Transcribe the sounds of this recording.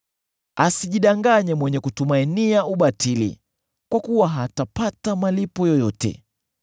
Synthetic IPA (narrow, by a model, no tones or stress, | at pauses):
asiʄiɗaŋɡaɲɛmwɛɲɛkutumainiauɓatilḭ | kwakuwaɦatapatamalipɔjɔjɔtɛ̰